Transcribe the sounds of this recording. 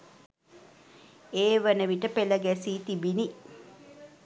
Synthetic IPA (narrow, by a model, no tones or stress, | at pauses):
eːʋənəʋiʈəpeləɡæsiːt̪ibini